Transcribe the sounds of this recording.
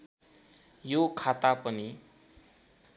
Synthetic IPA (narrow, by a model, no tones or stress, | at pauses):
jokʰat̪apʌni